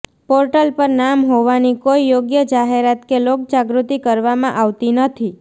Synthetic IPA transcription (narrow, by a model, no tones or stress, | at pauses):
poɾʈəlpəɾnamɦoʋanikoijoɡjəd͡ʒaɦeɾat̪kelok̚d͡ʒaɡɾut̪ikəɾʋamãʔaʋt̪inət̪ʰi